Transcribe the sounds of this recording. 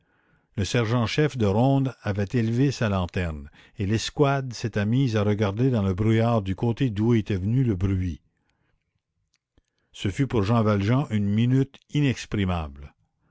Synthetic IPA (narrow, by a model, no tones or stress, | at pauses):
ləsɛʁʒɑ̃ʃɛfd̪əʁɔ̃ːd̪avɛt̪elvesalɑ̃t̪ɛʁn | elɛskwad̪set̪ɛmiːzaʁəɡaʁd̪ed̪ɑ̃ləbʁyjaːʁd̪ykot̪ed̪uet̪ɛvənyləbʁɥi | səfypuʁʒɑ̃valʒɑ̃ʔynminyt̪inɛkspʁimabl